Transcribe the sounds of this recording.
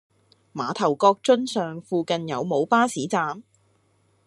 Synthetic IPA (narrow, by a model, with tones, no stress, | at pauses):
maː˨˧t̪ʰɐ˨˩wkɔː˧k̚t͡ʃɵ˥nsœː˨ŋfuː˧kɐ˨njɐ˨˧wmo˨˧wpaː˥siː˨˥t͡saː˨˧m